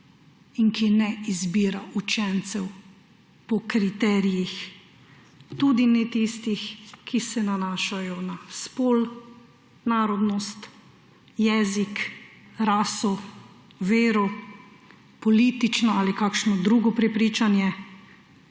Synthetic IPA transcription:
iŋkinɛizbiːɾaʔut͡ʃɛnt̪sɛw | pɔkɾit̪ɛɾijix | t̪ud̪inɛt̪ist̪ixkisɛnanaːʃajɔnaspoːl | naːɾɔd̪nɔst̪ | jɛːzik | ɾaːsɔ | ʋeːɾɔ | pɔliːt̪it͡ʃnɔaːlikaːkʃnɔd̪ɾuːɡɔpɾɛpɾiːt͡ʃanjɛ

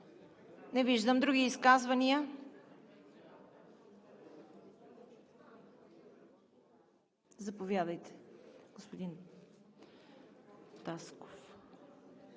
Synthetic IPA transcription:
nɛviʒd̪əmd̪ɾuɡiːskazvɐniə | zɐpovjad̪əjt̪ɛ̥ɡ̥ospod̪in | t̪asko̥f

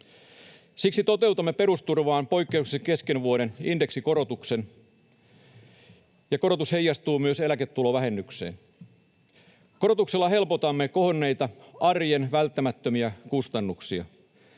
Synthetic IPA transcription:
siksit̪o̞t̪e̞wt̪umːepe̞ɾust̪urʋɑːnpo̞jkːe̞ukseŋke̞ske̞nʋuoɾe̞ninde̞ksiko̞ɾo̞t̪ukse̞n | jɑko̞ɾo̞t̪ushe̞jːɑst̪uːmyø̞se̞læket̪ːulo̞ʋæɦe̞nːykse̞̰ːn | ko̞ɾot̪ukse̞lːɑɦe̞lpo̞t̪ɑmːeko̞ɦonːe̞jt̪ɑɑrjenʋælt̪ːæmæt̪ːømiækust̪ɑnːuksiɑ̰

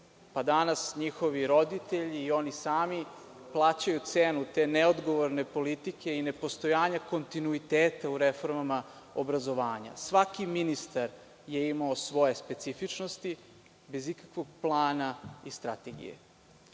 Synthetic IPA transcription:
pad̪anasɲixo̞ʋiɾo̞d̪it̪e̞ʎiːo̞nisaːmi | plˠaːt͡ɕajut̪seːnut̪e̞ːneod̪ɡo̞ʋoɾne̞po̞lit̪ike̞ine̞po̞st̪o̞jaːɲako̞nt̪inuit̪eːt̪auɾefo̞ɾmama | obɾazo̞ʋaːɲa̰sʋakiminist̪aɾ | je̞imaosʋo̞je̞spe̞t̪sifit͡ʃnost̪i | be̞zikḁkʋo̞ɡ̚plˠaːnaist̪ɾat̪eɡḭjḛ

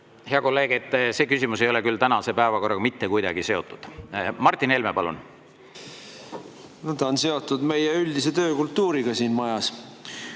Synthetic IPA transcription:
he̞ɑko̞lːe̞ːɡ̥et̪ːˑse̞ːkysʲimus̬e̞jo̞lekylt̪ænɑse̞pæevɑko̞rːɑɡɑmit̪ːe̞kujd̪ɑ̰ɡise̞o̞t̪ːˑud̪̥mɑrt̪ːˑine̞lmepɑlṵn | næd̪̥ɑonse̞o̞t̪ːˑud̪me̞jeylʲd̪iset̪ø̞ːkult̪ːuːɾiɡ̥ɑsiːnmɑjɑs

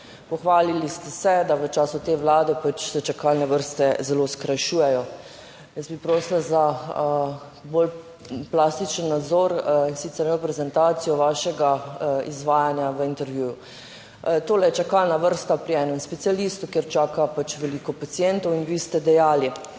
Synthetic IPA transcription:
pɔxʋaːlilist̪ɛsɛd̪aʋət͡ʃaːsut̪eːʋlaːd̪ɛpat͡ʃsɛt͡ʃakalnɛʋəɾst̪ɛzɛloːskɾajʃuːjɛjɔ | jəsbipɾoːslaza | bol | plast̪it͡ʃənːad̪zɔɾinsit̪sɛɾjɛnopɾɛzɛnt̪aːt̪sijɔʋaːʃɛɡaizʋaːjanjaʋəint̪ɛɾʋjuːju | t̪oːlɛjɛt͡ʃakalnaʋəɾst̪apɾiɛːnɛmspɛt̪sijaliːst̪ukeɾt͡ʃaːkapat͡ʃʋɛliːkɔpat̪siɛnt̪ɔwinʋiːst̪ɛd̪ɛjaːli

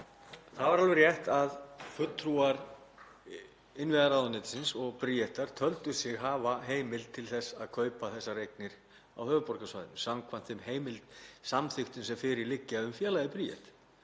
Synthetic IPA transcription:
θaðvaɾalvɛɾrjɛht̪aðfʏt̪ʰːɾuaɾ | ɪnvɛðaɾawðanɪːt̪ɪ̥sɪnsɔɣpɾiɛht̪aɾ̥t̪ʰœlt̪ʏsɪɣɦaːvaɦeːjmɪlt̪ʰɪlθɛsːaðkʰœːɥpaθɛsːarejk̚nɪɾ̥ | a̰whœːvʏpɔɾkasvajðɪnmsamkʰvan̥t̪θɛmheːjmɪlt̪samθʏhxt̪ʏnsɛmfɪɾɪɾlɪcːɪaʏmfjɛːlajðɪpɾiːɛ̰ht̪

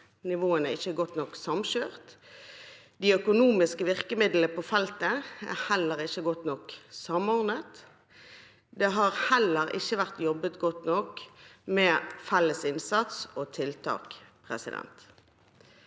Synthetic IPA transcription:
nɪʋoːənæɪçːəɡɔt̪nɔksɑmɕøːʁt̪ | d̪iːœkʊnuːmɪskəʋɪʁkəmɪd̪l̩əpʰoːfɛlt̪əæ̰hɛlːəʁɪçːəɡɔt̪nɔksɑmɔʁnət̪ | d̪ɛɦɑːʁhɛləʁɪ̰çːəʋæʁt̪jɔbət̪ɡɔt̪nɔkmɛːfɛlːəsɪnsɑt̪soːt̪ʰɪlt̪ʰɑ̰ːkpʰʁɛ̰sɪd̪ɛ̰nt̪

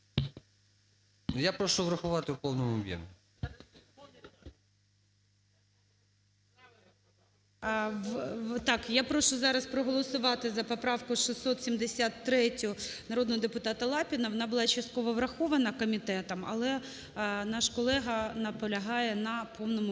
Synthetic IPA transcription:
japɾɔʃuʋɾɐxʊʋɑt̪ɪwpɔwnɔmʊɔbʲjɛ̰mʲi | t̪ɑkjapɾɔʃʊzɑɾɐspɾɔɦɔlˠɔsʊʋɑt̪ɪzɐpɔpɾɑwkʊʃisːɔt̪sʲimd̪esʲat̪ːɾɛtʲɔnɐɾɔd̪nɔɦɔd̪epʊt̪ɑt̪ɐlˠɑpʲɪnɐʋɔnɑbʊlˠɑt͡ʃɐst̪̚kɔʋɔʋɾɐxɔʋɐnɐkɔmʲit̪ɛt̪ɐmɐ̰lˠɛ | nɑʃkɔlˠɛɦɐnɐpɔlʲɐɦɑjɛnɐpʰɔwnɔmʊ

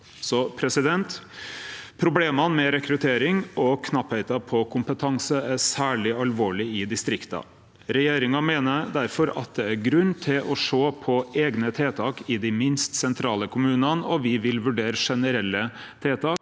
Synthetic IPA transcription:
sɔpʰɾɛsɪd̪ɛnt̪ | pʰɾʊbleːmɑnmɛɾɛkɾʉt̪ʰeːɾɪŋɔkʰnɑphɛɪt̪ɑpʰɔkʰʊmpət̪ʰɑŋsəæsæːɭɪɑlʋoːɭɪɪd̪ɪst̪ɾɪkt̪ɑ̰ | ɾɛjeːɾɪŋɑmeːnəd̪æɾfɔɾɑ̰t̪̚d̪ɛæɾɡɾʉnːt̪ʰɪlʔɔʂoːpʰɔʔeːɡnət̪ʰeːt̪ʰɑːkɪd̪ɪmɪnst̪sɛnt̪ʰɾɑːləkʰʊmʉːnɑnɔʋɪʋɪlʋʉɖeːɾəʂɛnəɾɛlːə | t̪ʰeːt̪ʰɑː

